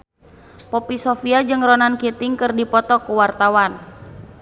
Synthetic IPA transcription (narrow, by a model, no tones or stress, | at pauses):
pɔpisɔfiad͡ʒɨŋrɔnankit̪ɪŋkɨrdipɔt̪ɔkuwart̪awan